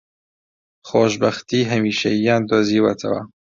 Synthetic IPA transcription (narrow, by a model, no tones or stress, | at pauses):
xoːʃbɐxt̪iːɦɐmiːʃɐijaːnd̪oːziːwɐt̪ʰɐ̰wɐ̰